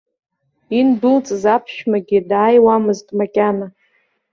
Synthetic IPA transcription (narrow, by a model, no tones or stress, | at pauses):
inbɨlt͡sʼzapʰʃᶣmaɡʲidaːjwamɨztʼmakʲʼana